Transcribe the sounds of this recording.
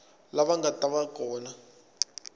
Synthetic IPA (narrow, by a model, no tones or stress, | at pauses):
laɓaŋɡatʼaɓakʼɔːna